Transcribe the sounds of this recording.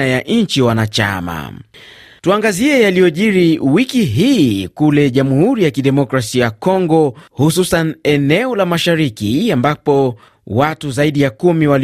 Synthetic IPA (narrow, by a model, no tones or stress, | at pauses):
ajaʔɲnɲt͡ʃiwanat͡ʃa̰ma̰ | tuaŋɡaziɛjalijɔʄiɾiwikiɦiːkulɛʄamuhuɾijakiɗɛmɔkɾasijakɔŋɡɔhususanɛnɛɔlamaʃaɾikiambapɔ | watuzaiɗijakumiwal